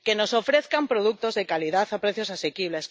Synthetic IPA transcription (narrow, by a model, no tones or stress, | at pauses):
kenosofɾeθkampɾoð̞uk̚t̪ozðekaliðaθapɾeθjosasekiβles